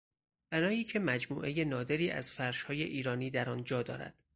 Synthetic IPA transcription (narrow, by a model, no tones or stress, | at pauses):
b̥ænɒːjiːcʰe̞mæd͡ʒmṵːʔe̞je̞nɒːd̪e̞ɾiːʔæ̰z̥fæɾʃhɒːje̞ʔiːɾɒːniːd̪æɾɒːnd͡ʒɒːd̪ɒːɾæ̰d̪̥